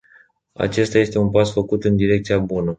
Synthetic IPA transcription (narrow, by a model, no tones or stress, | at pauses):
a̰t͡ʃe̞st̪aje̞st̪e̞unpasfəkut̪ɨnd̪iɾe̞k̚t̪sijabunə